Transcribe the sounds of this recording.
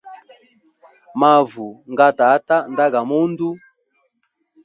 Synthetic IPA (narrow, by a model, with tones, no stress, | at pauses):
ma˨vu˨ŋɡa˦ta˨˦ta˦nda˦ɡa˨mɔ˦ndu˦